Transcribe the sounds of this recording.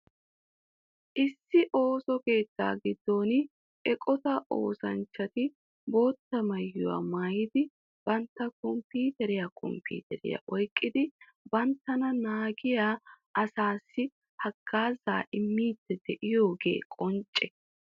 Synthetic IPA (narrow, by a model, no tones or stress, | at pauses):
ʔɪsːɪʔo̞ːsɔke̞ːt̪ːa̰ːɡɪd̪ːo̞ːnɪ | ʔɛkʼɔt̪ɐʔo̰ːsɐnt͡ʃːɐt̪ɪ | bo̞ːt̪ːɐmɐjːʊwa̰ːmaːjɪd̪ɪ | b̥ɐnt̪ːɐkɔmpiːt̪ɛɾɪjakʰɔ̰mpḭːt̪ɛɾɪ̰jɐ̰ʔɔjkʼːɪd̪ɪ | bɐnt̪ːɐnɐnaːɡɪjaː | ɐsaːsːɪ | hɐɡ̥ːaːzaːʔɪmːiːt̪ːɛd̪ɛʔɪjo̞ːɡe̞̰ːkʼɔnt͡ʃʼːɛ